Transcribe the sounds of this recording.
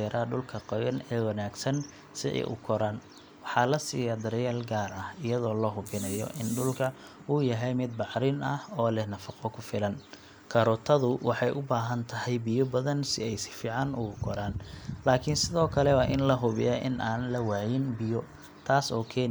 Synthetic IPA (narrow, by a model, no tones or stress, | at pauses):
ɛːɾʔaːɖʊlkʰɐqɔjɐnɛːwɑnaːɡsɐn | sɪɛ̰jʔʊ̰kʰɔɾaːn | wɑħɑlɐsiːjɐd̪ɐɾɐjaːlɡaːrɐhɪjɐðɔːlɐɦʊβɪnɐjɔ̰ʔɪnɖʊlkʰɐ | uːjɐɦɛjmɪd̪̚bɑʕɾɪnɐhɔːlɛhnɐfɑqɔkʰʊfɪlɐn | kʰɐɾɔt̪ʰɐðʊwʔɑħɑjʔʊbaːɦɐnt̪ʰɐɦɛjbɪjɔbɐðɐnsɪ̰ɛjsɪ̥fiːʕɑnʔʊ̰ɣʊkʰɔɾaːnlaːkʰɪnsɪðɔːkʰɐlɛwaʔɪnlɐɦʊβɪ̰jɐʔɪ̰nʔaːnlɐwaːjɪnbɪjɔ | t̪ʰaːsɔːkʰɛːn